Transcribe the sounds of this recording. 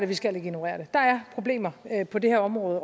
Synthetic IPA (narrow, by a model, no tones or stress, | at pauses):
ɾeʋisɡ̥æl̰eɡ̥enoʁɛ̰ɐɾ̥ed̥ɑ̈æɐpʰʁo̝b̥le̝̰ːmɐpʰɒ̽de̝heɐɒ̽mʁɔ̽ːð̞ˠ